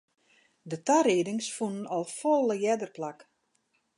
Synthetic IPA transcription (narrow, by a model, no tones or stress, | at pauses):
dətaɾiːdɪŋsfunənɔlˠfɔlˠəjɛdərplak